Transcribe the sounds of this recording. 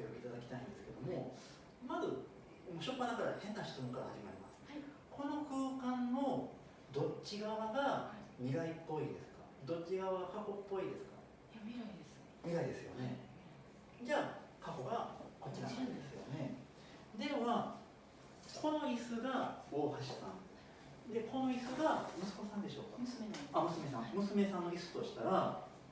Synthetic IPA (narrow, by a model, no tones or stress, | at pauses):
ojokʲiit̪ad̪akʲi̥t̪aĩnd̪e̞sɨ̥ke̞d̪o̞mo̞ | mazɨ | moɕo̞pːanaɡaɾahẽ̞nːaɕi̥t̪omɯ̃kaɾhaʑimaɾʲima̰sɨ̥ | kʰo̞no̞kɯ̟ːkãnmo̞ | d̪o̞t͡ɕːɕiɡaβaɡamʲiɡaipːo̞id̪e̞sɨ̥ka | d̪o̞tt͡ɕːiɡaβaɡakako̞pːo̞id̪e̞sɨ̥ka̰ | ai̥ | mʲiɡaid̪e̞sɨjo̞̰ne̞ | d͡ʑaː | kako̞ɡakot͡ɕʲːina̰ad̪esɨjo̞̰ne̞ | d̪e̞βa | kʰo̞no̞isɨɡaoːhaɕi̥t̪ã̰n | d̪e̞ko̞no̞isɨɡamɯ̟sɨ̥ko̞sãnd̪e̞ɕo̞̰ːkḁ̰amɯ̟sɨme̞sã̰ŋmɯ̟sɨme̞sãnːo̞isɨ̥t̪o̞ɕi̥t̪aɾa